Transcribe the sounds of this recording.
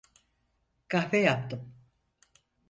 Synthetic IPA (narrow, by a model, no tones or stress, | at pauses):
kʰahfejapt̪ɯm